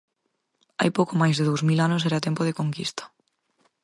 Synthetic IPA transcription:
a̰jpowkomajzðeðowzmilanʊs̬ɛɾat̪ɛmpoð̞ɪkoŋkist̪ɐ̥

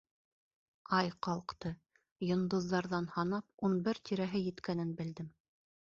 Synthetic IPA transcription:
ɑjqɑlˠqt̪ɤ | jŏnd̪ŏðːɑɾðɑnhɑnɑp̚unbɘɾt̪ʰiɾæɦɘjɘ̆t̪kænɘnbɘ̆ld̪ɘm

